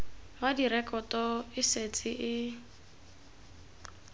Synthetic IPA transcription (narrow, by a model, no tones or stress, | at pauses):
madiɾɛkʼɔtʼɔɪset͡sʼɪʔɪ